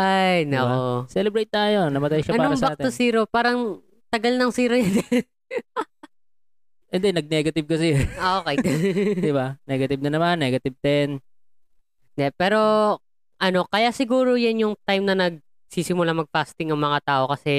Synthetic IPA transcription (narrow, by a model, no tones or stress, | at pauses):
ʔajnɐʔosɛlɛbɾejt̪̚ːaːjonɐmɐt̪ajʃɐɐnpaːɾɐsbɐaaːt̪ɛosiːɾopaːɾɐŋ | t̪ɐɡɐlnɐŋsiːɾojɐn | ʔɛnd̪ɛnɐɡ̚nɛɡɐt̪ɪb̚kɐs̬ɐʔoʔokejd̪ɐd̪ɪbanɛɡɐt̪ɪb̚nɐnɐmanːɛːɡɐt̪ɪb̚t̪ɛn | nd̪ɛpɛːɾo̞ | ʔɐno̞kɐjasɪɡuːɾo̞jɐnjʊŋt̪ajmnɐnɐɡ̚ | siːsɪmʊlamɐɡ̚fast̪ɪŋɐŋmɐŋat̪aːʔo̞kɐsɛ